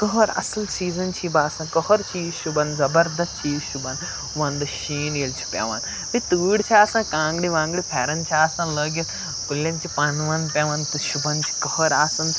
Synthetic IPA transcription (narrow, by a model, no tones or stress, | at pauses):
kɔɦɐɾɐ̰sɐlsiːzɐnt͡ʃʰibaːsãːkɐɦɐɾt͡ʃiːzʃubɐnzɐbɐɾd̪ɐst͡ʃiːzʃubɐn | ʋɐnd̪ɨʃiːnilt͡ʃʰi̥pḛːʋɐ̰ːn | mĩt̪uːɽt͡ʃʰiaːsãːkãːŋɡɽiʋãːŋɡɽipʰeːɾɐnt͡ʃʰiaːsãːnlɐːɡil | kulːɐ̃nt͡ʃʰipaːnʋɐnpʲeʋɐnt̪ɨʃubɐnt͡ʃʰi̥kɐɦɐɾaːsɐn